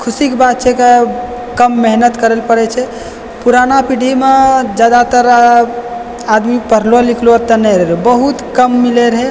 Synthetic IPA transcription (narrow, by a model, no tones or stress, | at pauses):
kʰusikbat̪̚t͡ʃʰɛke | kəmːeɦnət̪kəɾelpəɽɛt͡ʃʰɛ | puɾanapiɖʱimed͡ʒad̪at̪əɾa | ad̪mipəɾlolikʰlot̪ənɛɾbəɦut̪kəmːileɾəɦe